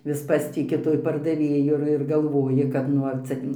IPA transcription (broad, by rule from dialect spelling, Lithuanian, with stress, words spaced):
ʋʲɪs ˈpɑːsʲtʲɪkʲɪ tuɔj pɐrdɐˈʋʲeːjʊ ɪr ɪr ɡɐlˠˈʋoːjɪ kɐt ˈnʊ ɐr ˈt͡sʲɛ